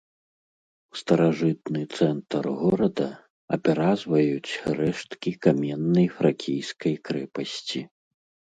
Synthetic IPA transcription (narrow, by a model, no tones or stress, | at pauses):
wst̪ɐɾaʐɨt̪̚nɨt̪sɛnt̪ɐrɣɔɾɐd̪ɐ | ɐ̰pʲɛɾazvɐjut͡sʲɾɛʂt̪kʲikamʲɛnːɐjfɾakʲʰijskɐjkɾɛpɐsʲt͡sʲi